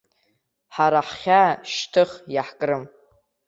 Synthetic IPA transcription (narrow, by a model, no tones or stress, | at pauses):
ħaɾaħχʲaʃtʰɨχjaħkʼrɨm